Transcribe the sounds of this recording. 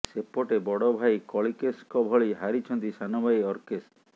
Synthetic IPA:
sepɔʈebɔɽɔbʱajkɔɭikeskɔbʱɔɭiɦaɾit͡ʃʰɔnt̪isanɔbʱajɔɾkest

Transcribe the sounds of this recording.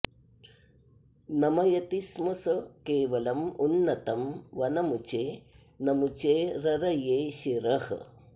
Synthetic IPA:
nɐmɐjɐt̪ismusɐkeːʋɐlɐmunːɐt̪ɐmʋɐnɐmut͡ʃeː | nɐmut͡ʃeːɾɐɾɐjeːʃiɾɐh

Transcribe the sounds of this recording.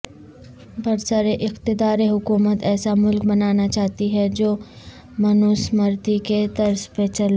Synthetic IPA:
bɐɾsaːɾeʔɪxt̪ɪd̪aːɾeɦʊkuːmət̪ɛːsamʊlkbɐnaːnat͡ʃaːɦt̪iɦɛd͡ʒoː | mɐnʊsmɐɾt̪iket̪ɐɾspet͡ʃɐlː

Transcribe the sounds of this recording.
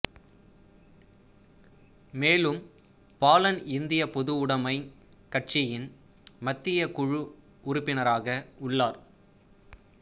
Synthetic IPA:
meːlɯm | paːlɐnɪnd̪ɪjɐpɔðɯʊɽɐmɐɪ | kɐʈ̚t͡ʃɪjɪn | mɐt̪ːɪjɐkʊɻɯ | ʊɾʊpːɪnɐɾaːɣɐʊɭːaːɾ

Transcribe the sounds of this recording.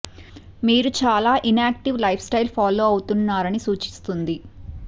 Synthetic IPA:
miːɾut͡ʃaːlaːʔinaːk̚ʈiʋlɐjpʰsʈɐjlpʰaːloːɐwut̪unːaːɾɐnisuːt͡ʃi̥st̪und̪i

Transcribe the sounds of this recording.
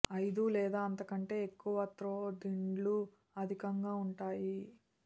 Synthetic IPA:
ɐjd̪ulɛːd̪aːɐnt̪ɐkɐɳʈe̞ːekːuʋɐt̪ɾoːd̪iɳɖlu | ɐd̪ʱikɐŋɡaːuɳʈaːji

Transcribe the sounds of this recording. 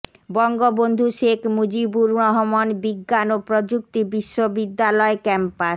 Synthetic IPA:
bɔŋɡobond̪ʱuʃekʰmud͡ʑibuɾɾɔɦomonbiɡːanopɾod͡ʑuk̚t̪ibiʃːobid̪ːalɔekɛmpa

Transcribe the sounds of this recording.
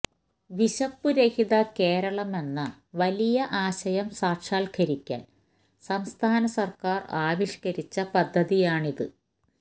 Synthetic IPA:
ʋiɕɐpːuɾehiðɐke̞ːɾɐɭɐme̞nːɐ | ʋɐlijɐʔaːɕɐjɐmsaːkʂaːlkʰɐɾikʲːa̰ːn | sɐmst̪ʰaːnɐsɐrkaːraːʋiʂkɐɾit͡ɕːɐpɐd̪ʱːɐðijaːɳiðɨ

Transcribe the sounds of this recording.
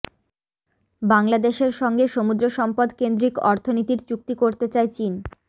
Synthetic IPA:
baŋlad̪eʃeɾʃɔŋɡeʃomud̪ɾoʃɔmpod̪kend̪ɾikɔɾt̪ʰonit̪iɾt͡ɕuk̚t̪ikoɾt̪et͡ɕaet͡ɕin

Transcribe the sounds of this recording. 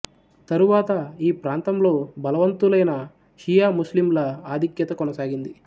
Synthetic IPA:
t̪ɐɾuʋaːt̪ɐiːpɾaːnt̪ɐmlo̞ːbɐlɐʋɐnt̪ulɐjnɐ | ʃijaːmuslimlɐaːd̪ʱikjɐt̪ɐkɔnɐsaːɡind̪i

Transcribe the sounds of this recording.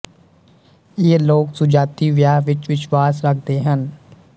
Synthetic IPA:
jeːloːksʊd͡ʒaːt̪iːʋjaːɦʋɪt͡ʃʋɪʃʋaːsɾək̚ʰd̪eːɦən

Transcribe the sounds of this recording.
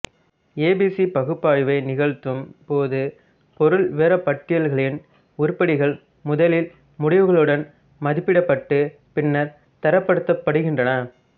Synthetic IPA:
eːbisipɐɣɯpːaːɻɯʋɐɪnɪɣɐɻt̪ːɯmpoːðɯ | pɔɾɯlʋeːɾɐpɐʈːɪjɐlɣɐɭɪn | ʊɾʊpːɐɽɪɣɐɭ | mʊðɐlɪl | mʊɽɪʋɯɣɐɭɯɽɐn | mɐðɪpːɪɽɐpːɐʈːɯ | pɪnːɐɾ | t̪ɐɾɐpːɐɽɯt̪ːɐpːɐɽɯɣɪndrɐnɐ

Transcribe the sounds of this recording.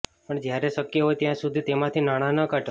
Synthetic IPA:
pəɳd͡ʒjaɾeʃəkjəɦojt̪jãsud̪ʱit̪emãt̪ʰinaɽ̃ãnəkaʈ

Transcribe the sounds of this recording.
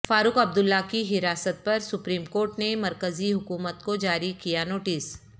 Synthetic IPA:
faːɾʊkɐb̚d̪ʊlːakiɦɪɾaːsət̪̚pɐɾsʊpɾiːmkoːɾʈnemɐɾkəziɦʊkuːmət̪kod͡ʒaːɾikijanoːʈɪs

